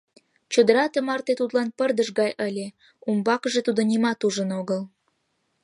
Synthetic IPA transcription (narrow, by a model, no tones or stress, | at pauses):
t͡ɕod̪əɾɑt̪əmɑrt̪et̪ut̪lɑnpərd̪əʃɣɑjʔəlʲe | umbɑkəʒet̪ud̪onʲimɑt̪uʒənoɣəl